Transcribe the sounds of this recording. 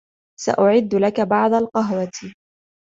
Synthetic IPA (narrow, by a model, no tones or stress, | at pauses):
sa̰ʔʊʕɪd̪ːlakabɑʕd̪ˤalqɑɦwat̪